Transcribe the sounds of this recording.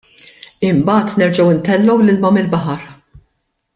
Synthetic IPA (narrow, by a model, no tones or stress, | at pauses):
ɪmbɐːt̪nɛɾd͡ʒɐwɪnt̪ɛlːɔwlɪlmɐmɪlbɐħɐɾ